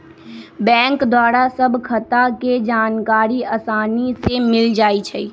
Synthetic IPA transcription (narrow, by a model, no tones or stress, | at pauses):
bɛ̃ːŋkd̪waːɾasəbʱkʰət̪aked͡ʒaːnkaːɾiɐːsaːnisemɪld͡ʒaːit͡ʃʰɛi